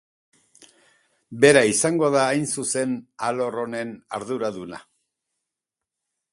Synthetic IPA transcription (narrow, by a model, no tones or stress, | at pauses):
be̞ɾaisaŋɡo̞ðaːjnsuse̞nalo̞ro̞ne̞naɾðuɾaðuna̰